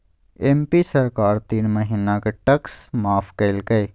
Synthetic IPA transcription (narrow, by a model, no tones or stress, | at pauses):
eːmpisɐɾkaːɾt̪iːnməɦiːnakeʈɐksmaːfʰkelɡɐe